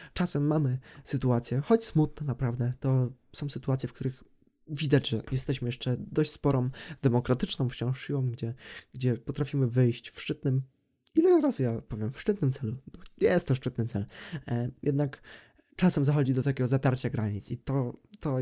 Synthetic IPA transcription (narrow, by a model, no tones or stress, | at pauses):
t͡ʂasɛmːamɘsɘt̪uat̪sʲjɛxɔt͡ɕsmut̪nɛnapɾavd̪ɛt̪ɔ | sɔ̃w̃sɘt̪uat̪sʲjɛfkt̪uɾɘx | vʲid̪ad͡ʑʐɛjʔɛst̪ɛɕmɘjɛʂt͡ʂɛd̪ɔɕt͡ɕʲspɔɾɔ̃md̪ɛmɔkɾat̪ɘt͡ʂnɔ̃w̃ft͡ɕɔ̃w̃ʂɕiwɔ̃w̃ɡd͡ʑɛɡd͡ʑɛpɔt̪ɾafʲimɘvɘjɕt͡ɕfʂt͡ʂɘt̪̚nɘm | ilɛɾazujapɔvʲjɛmfʂt͡ʂɘt̪nɘmt̪sɛlubɔjɛst̪ːɔʂt͡ʂɘt̪̚nɘt̪sɛl | jʔɛd̪nak | t͡ʂasɛmzaxɔd͡ʑid̪ɔt̪akʲɛɡɔzat̪aɾt͡ɕaɡɾaɲit̪sit̪ɔt̪ɔ